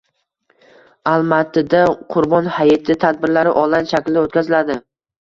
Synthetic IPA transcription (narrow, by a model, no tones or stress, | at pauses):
alˠmat̪ʰːɪd̪aqʰʊɾbɒnhajɪt̪ʰɪt̪ʰad̪̚bɪɾlaɾɪ̰ʔɒlˠanʃakʲlɪd̪aot̪kʲʰazɪlad̪ɪ